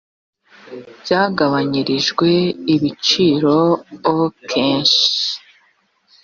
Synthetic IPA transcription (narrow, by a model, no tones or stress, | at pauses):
bjaːɡaβaɲiɾiʒɡwe̞iβit͡ʃiːɾo̞okʰe̞ːɲʃi̥